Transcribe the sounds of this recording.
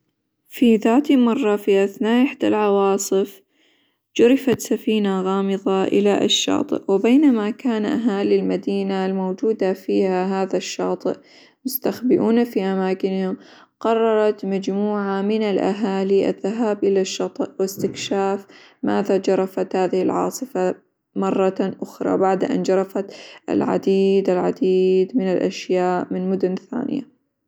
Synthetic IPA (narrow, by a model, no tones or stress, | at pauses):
fiðaːt̪imɑrˤːɑfiʔaθnaːʔɪħd̪alʕɑwɑːsˤɨf | d͡ʒʊɾɪfat̪safiːnaɣɑːmɨðˤɑʔɪ̰laʔɪʃːɑ̰ːt̪ˤɨ̰ʔwɪbeːnamakaːnʔa̰ɦaːlilmad̪iːnalmowd͡ʒuːd̪afiːhaɦaːðaʃːɑ̰ːt̪ˤɨ̰ʔ | mʊst̪axbɪʔuːnafiʔamaːkɪnhʊm | qɑrˤːɑɾˤɑt̪mad͡ʒmuːʕamɪnalʔa̰ɦaːliʔa̰ðːaɦaːbʔɪlaʃːɑːt̪ˤɨʔwɪst̪ɪkʃaːf | maːðad͡ʒɑɾˤɑfat̪haːðɪhɪlʕɑ̰ːsˤɨfa | mɑrˤːɑʔʊxɾˤɑ̰baʕd̪ʔa̰nd͡ʒɑɾˤɑfat̪ʔa̰lʕa̰d̪iːd̪alʕad̪iːd̪mɪnalʔa̰ʃjaːʔmɪnmʊd̪ʊnθa̰ːnɪ̰ja̰